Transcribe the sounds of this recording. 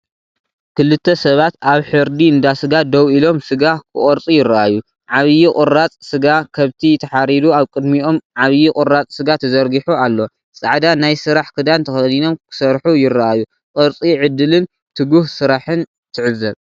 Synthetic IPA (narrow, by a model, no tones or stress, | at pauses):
kʰɨlɨt̪ʰːɐsɐβat̪aβħɨɾd̪iɨnd̪asɨɡad̪ɐwʔilo̞msɨɡakʰɨkʼoɾt͡sʼijɪɾːaʔajːu | ʕaβɨjikʼɨɾːat͡sʼsɨɡakʰɐβt̪ʰit̪ʰɐħaɾid̪uaβkʼɨd̪mio̞mʕaβɨjikʼʊɾːat͡sʼsɨɡat̪ʰɐzɐɾɡiħualːo̞ | sʼaʕd̪anajsɨɾaħkʰɨd̪ant̪ʰɐxɐd̪ino̞mkʰɨ̥sɐɾħujɪrːaʔajːu | qʼɨɾt͡sʼiʕɨd̪ɨlɨn | t̪ʰɨɡuhsɨɾaħɨn | t̪ʰɨʕɨzːɐβ